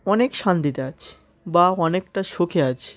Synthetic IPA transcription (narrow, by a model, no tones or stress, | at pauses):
ɔnekʃand̪it̪eat͡ɕʰe̥ | baɔnekʈaʃokʰeat͡ɕʰe̥